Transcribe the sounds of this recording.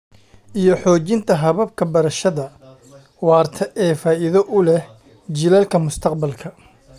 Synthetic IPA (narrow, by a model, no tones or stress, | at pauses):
ʔijɞħɔːt͡ʃɪnt̪ʰɐɦɐβɐb̚kʰɐbɐɾɐʃɐðɐ | wɑːrt̪ʰɐʔɛːfaːʔɪðɐʔʊlɛh | d͡ʒɪlɐlkʰɐmʊst̪ʰɐqbɐlkʰɐ